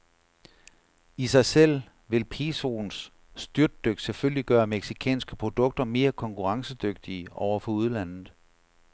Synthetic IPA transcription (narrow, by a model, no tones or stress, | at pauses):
isɑ̈ɪsel̰ | ʋe̝lpʰe̝ːso̝nsː | d̥yɐd̥ːøɡ̥seføl̰liɡ̥ɶːɐmeɡ̥sikʰɛ̰ːnsɡ̥əpʰʁo̝d̥ɔ̽ɡ̥̚d̥ɐme̝ːɐkʰɒ̽ŋkʰuʁɑ̈ŋsəd̥øɡ̥̚d̥iəʔɒʊ̰ɐfɒ̽uð̞ˠlæn̰ð̩ˠ